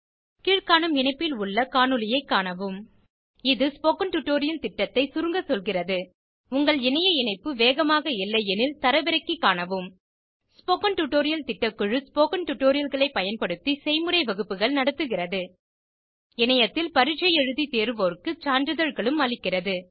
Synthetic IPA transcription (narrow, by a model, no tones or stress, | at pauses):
kiːɻkaːnɐmɪɳɐɪpːɪlʊɭːɐkaːɳɯlɪjɐɪkːaːɳɐʋɯm | ɪðɯspoːkɐnʈʊʈːoːɾɪjɐlt̪ɪʈːɐt̪ːɐɪsʊɾɯŋɡɐsɔlɣɪrɐðɯ | ʊŋɡɐɭɪnɐjɐɪnɐɪpːɯʋeːɣɐmaːɣɐɪlːɐjɛnɪlt̪ɐɾɐʋɪɾɐɪkːikːaːɳɐʋɯm | spoːkɐnʈʊʈːoːɾɪjɐlt̪ɪʈːɐkːɯɻɯspoːkɐnʈʊʈːoːɾɪjɐlɣɐɭɐɪpːɐjɐnpɐɽɯt̪ːisɛɪmɯɾɐɪʋɐɣɯpːɯɣɐɭnɐɽɐt̪ːɯɣɪrɐðɯ | ɪnɐjɐt̪ːɪlpɐɾɪt͡ʃɐjɛɻɯðit̪eːɾɯʋoːɾkɯt͡ʃaːndɯðɐɻɣɐɭɯmɐlɪkːɪrɐðɯ